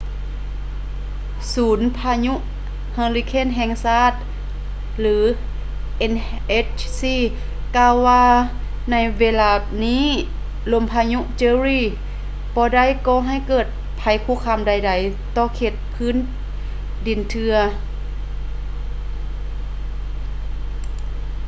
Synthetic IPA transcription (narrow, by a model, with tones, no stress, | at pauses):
suː˨˦npʰaː˧ɲu˧˥ʔ | haː˧ŋli˧kʰeː˧˥˨nɦɛː˧˨ŋsaː˧˥˩t̪̚ | lɯː˨˦ | ʔe˧˨n | ʔe˧˥t͡ɕsiː˧˩ | kaː˧˨wːaː˧ | na˧˩jweː˧˨laː˧˩ | niː˧˥˨ | lo˧˨mpʰaː˧ɲu˧˥ʔt͡ɕɤː˧ɾiː˧˩ | bɔː˧da˧˩˨jkɔː˧ɦa˧˩˨jkɤː˧˩t̪̚ | pʰa˨˧˦jkʰuː˧˥˨kʰaː˧˩˨mda˧˩jda˧˩jt̪ɔː˧˩kʰeː˧˩t̪̚pʰɯː˧˥˨n | di˨˩nt̪ʰɯ˧ɐ